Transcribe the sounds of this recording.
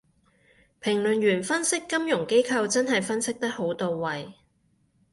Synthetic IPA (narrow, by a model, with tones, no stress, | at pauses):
pʰɪ˨˩ŋlɵ˨nɥyː˨˩nfɐ˥nsɪ˥kːɐ˥mjʊ˨˩ŋke˥jkʰɐ˧wt͡sɐ˥nɦɐ˨jfɐ˥nsɪ˥k̚t̪ɐ˥k̚ho˨˥wt̪o˨wːɐ˨j